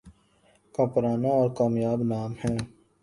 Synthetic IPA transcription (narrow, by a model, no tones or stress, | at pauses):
kapɾaːnaɔːɾkaːmjaːbnaːmhɛ̃ː